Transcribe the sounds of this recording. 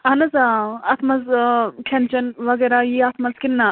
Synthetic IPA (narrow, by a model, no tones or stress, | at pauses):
ɐnɐzaɐt̪ʰmɐzkʰent͡ʃɐnʋɐɡeːɾajiat̪ʰmɐzkinːa